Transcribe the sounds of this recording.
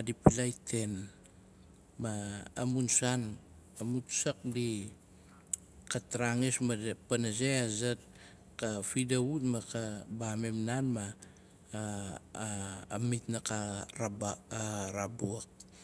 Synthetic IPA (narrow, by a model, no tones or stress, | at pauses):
adipilajtʰe̞n | maːmunsan | amutsak̚di | kataɾaŋesmapanazeazat̚ | kafidautmakabamemnanma | mitnakaɾabaɾabuak̚